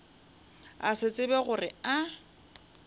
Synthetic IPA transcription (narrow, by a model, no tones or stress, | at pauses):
asɪt͡sʼɪbɛɣʊrɪa